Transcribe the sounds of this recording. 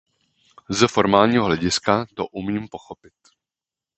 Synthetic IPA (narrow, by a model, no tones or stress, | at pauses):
zɛfo̞ɾmaːlɲiːɦoɦlɛɟɪskat̪o̰ʔumiːmpo̞xo̞pɪt̪